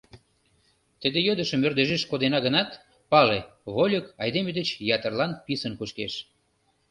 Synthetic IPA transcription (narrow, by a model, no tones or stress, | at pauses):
t̪əd̪ejød̪əʃəmørd̪eʒeʃkod̪enɑɣənɑt̪ | pɑleβolʲəkɑjd̪emed̪et͡ɕjɑt̪ərlɑnpisənkuʃkeʃ